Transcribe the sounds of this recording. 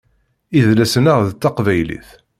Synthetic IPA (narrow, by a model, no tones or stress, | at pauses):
iðlæsənəʁðt̪ːɑqvæjlḭθ